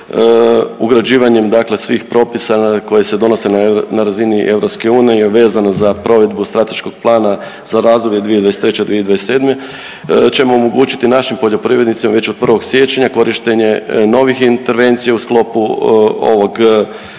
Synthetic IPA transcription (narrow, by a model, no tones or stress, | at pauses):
uɡɾad͡ʑiːʋaɲe̞md̪akle̞sʋixpɾo̞pisako̞je̞se̞d̪o̞no̞sennaɾaziniʔe̞ʋɾo̞pske̞uːnijejeʋe̞ːzanozapɾo̞ʋe̞d̪bust̪ɾat̪e̞ʃko̞ɡ̥̚plˠaːna | z̥aɾazd̪obje̞d̪ʋijed̪ʋajest̪ɾet͡ɕed̪ʋie̞d̪ʋajese̞ːd̪me̞ | t͡ɕe̞mo̞ːmoɡuːt͡ɕi̥t̪inaʃimpo̞ʎo̞pɾiʋɾed̪nit̪simaʋe̞t͡ɕod̪̚pr̩ʋo̞ɡsje̞t͡ɕeɲako̞ɾiʃt̪eɲe̞no̞ʋixint̪e̞ɾʋe̞nt̪sijausklˠo̞puo̞̰ʋo̞ɡ